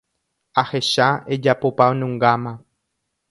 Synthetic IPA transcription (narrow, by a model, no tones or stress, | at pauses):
aheʃaed͡ʒapopaonũŋɡamã